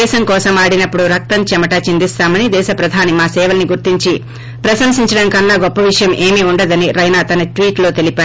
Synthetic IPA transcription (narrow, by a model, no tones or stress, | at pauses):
ɛːʃɐŋkɔːsɐmaːɽinɐpːuɽuɾɐk̚t̪ɐmt͡ʃɛmɐʈaːt͡ʃind̪ist̪aːmɐnid̪ɛːʃɐpɾɐd̪ʱaːnimaːsɛːʋɐlniɡuɾt̪iɲt͡ʃi | pɾɐsɐmsiɲt͡ʃɐɽɐmkɐnːɐɡɔpːɐʋiʂɐjɐmʔe̞ːmiuɳɖɐd̪ɐniɾɐjnaːt̪ɐnɐʈʋiːʈlo̞ːt̪elipaː